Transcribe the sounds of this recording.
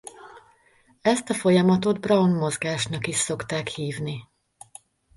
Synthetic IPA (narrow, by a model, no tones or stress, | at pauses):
ɛst̪ɒfo̞jɒmɒt̪o̞d̪̚brɒwnmo̞zɡaːʃnɒkiʃso̞kt̪aːkhiːvni